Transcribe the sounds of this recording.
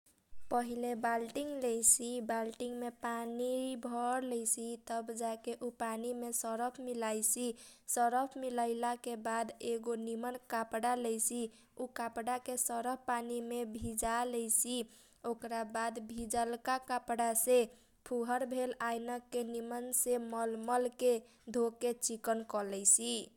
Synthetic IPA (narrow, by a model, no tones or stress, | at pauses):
pəɦilebalʈiŋɡlejsibalʈiŋɡmepanibʱəɾlɛjsit̪əbd͡ʒakeʔupanimesəɾəpʰmilajsisəɾəpʰmiləɪlakebad̪eɡonimənkapɽalɛjsi | ukapɽakesəɾəppanimebʱid͡ʒalɛjsi | okɾabad̪bʱid͡ʒəlkakapɽase | pʰuɦəɾbʱelajnəkːenimənseməlməlke | d̪ʱokːet͡ʃikənkɔlɛjsi